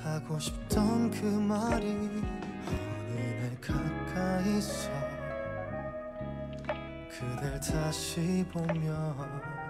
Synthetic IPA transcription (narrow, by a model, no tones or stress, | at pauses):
haɡoɕʰi̥p̚tʌnkɯmaɾi | anenɯkʰak͈aisʌ | kʰɯdɯɭtʰaɕibomjʌ